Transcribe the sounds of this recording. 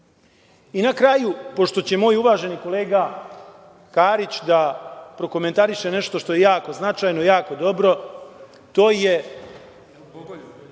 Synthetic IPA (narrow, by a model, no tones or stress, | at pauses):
inakɾajupo̞ʃt̪o̞t͡ɕe̞mo̞ːjuʋaːʒe̞niko̞le̞ːɡa | kaːɾit͡ɕd̪apɾo̞ko̞me̞nt̪aɾiʃe̞ne̞ʃt̪o̞ʃt̪o̞je̞jaːko̞znat͡ʃajnoijaːko̞d̪o̞bɾo̞ | t̪o̞ːje